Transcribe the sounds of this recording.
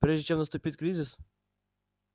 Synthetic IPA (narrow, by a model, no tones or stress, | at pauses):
pɾʲeʐdʲɪt͡ɕʲemnəst̪ʊpʲit̪ʲkɾʲizʲɪs